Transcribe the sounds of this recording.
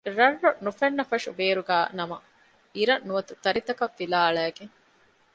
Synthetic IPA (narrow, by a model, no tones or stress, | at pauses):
ɾɐrːonufɐnːɐfɐʂuʋeːɾuɡæːnɐmɐ | iɾɐnnuʋɐt̪ut̪ɐɾit̪ɐkɐfːilaːɭæːɡeŋ